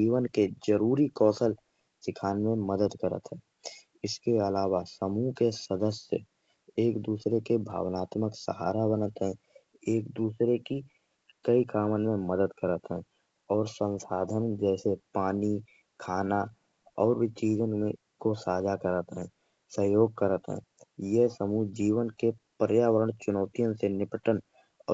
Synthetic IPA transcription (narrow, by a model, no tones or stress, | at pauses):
d͡ʒiːʋənked͡ʒəɾuːɾikɔːsəl | sɪkʰaːnmẽməd̪əd̪kəɾə̰t̪ɦɛː | ɪskeəlaːʋasəmukesəd̪əsə̰ | eːkd̪uːsɾekebʱa̰ːʋnaːt̪məksə̰ɦa̰ːɾabənət̪ɦɛ̃ | eːkd̪uːsɾeki | kəikaːmənmẽməd̪əd̪kəɾət̪ɦɛ̃ | ɔːɾsə̃nsaːd̪ʱənd͡ʒɛːsepaːni | kʰaːna | ɔːɾʋit͡ʃiːzənmḛ̃ | kosaːd͡ʒʱakəɾət̪ɦɛ̃ː | səɦjoːɡ̚kəɾət̪ɦɛ̰̃ːjesəmud͡ʒiːʋənkepəɾjaːʋəɾəɳ̃t͡ʃʊnɔːt̪ijə̃nsenɪpəʈənː